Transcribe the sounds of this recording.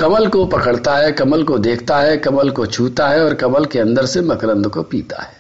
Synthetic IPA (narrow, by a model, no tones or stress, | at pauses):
kɐməlkopɐkəɽt̪aɦɛkɐməlkod̪eːkʰt̪aɦɛkɐməlkot͡ʃʰuːt̪aɦɛɔːɾkɐməlkeɐ̃nd̪əɾsemɐkɾə̃nd̪kopḭːt̪a̰ɦɛː